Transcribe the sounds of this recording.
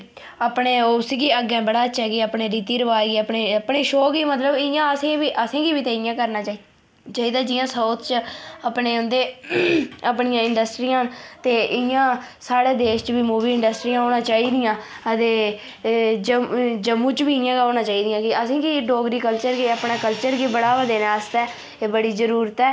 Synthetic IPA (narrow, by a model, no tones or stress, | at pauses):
aːpɳeːʊskiəɡɛ̃ːbəɽaːətːʃɛːɡiəːpɳeːɾiːt̪iːɾəʋaːɡiːəpɳeːəpɳeːʃoːkiːmət̪ləbɪjãːəsẽːʋiːʔəsẽːkiːʋiːt̪eːɪjãːkəɾnaːt͡ʃa | t͡ʃaːiːd̪aːd͡ʒɪjãːsəːt̪t͡ʃəpneːʊ̃nd̪eː | əpɳijãːɪɳɖəsʈɾiːãːnt̪eːʔɪjãː | saːɽeːd̪eːʃt͡ʃʋiːmuːʋiːɪɳɖəsʈɾiːjãːɦoːnãːt͡ʃaːiːd̪ɪjãː | ət̪eː | d͡ʒəd͡ʒəmːũːt͡ʃʋiːɪjãːkəoːnãːt͡ʃaːiːd̪ɪjãːkɪəsẽːkiɖoːɡɾiːkəlt͡ʃəɾɡiəpɳaːkəlt͡ʃəɾɡiːbəɽaːʋəd̪eːnaːəst̪ɛː | eːbəɽiːzəɾuːɾət̪ɛː